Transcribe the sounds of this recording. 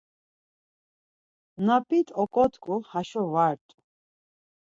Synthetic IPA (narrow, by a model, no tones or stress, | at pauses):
napʼit̪ʼɔkʼɔt̪kʼuhaʃɔvaɾt̪ʼu̥